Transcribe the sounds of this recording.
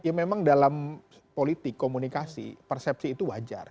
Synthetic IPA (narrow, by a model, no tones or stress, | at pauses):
jamemaŋdalam | polit̪ɪkːomunikasḭpɛrsɛp̚siːt̪uwad͡ʒa̰r